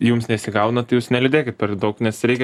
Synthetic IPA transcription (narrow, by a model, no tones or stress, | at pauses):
juːmsnʲɛɪsʲɪɡɐʊnɐt̪ɐɪjuːsnʲɛlʲʊd̪ʲeːkʲɪt̪pʲɛrʲd̪ɐʊknʲɛsɾʲɛɪkʲɛ